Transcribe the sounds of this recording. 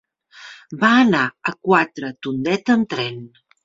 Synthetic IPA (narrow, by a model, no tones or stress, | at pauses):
baənaəkwat̪ɾət̪und̪ɛt̪əmt̪ɾɛn